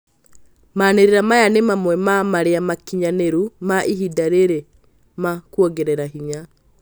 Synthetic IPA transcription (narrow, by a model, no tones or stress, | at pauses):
maneɾeɾamajanemamwɛmamaɾeamakiɲaneɾumaʔiɦidaɾeɾe | makwɔɡeɾɛɾaɦiɲa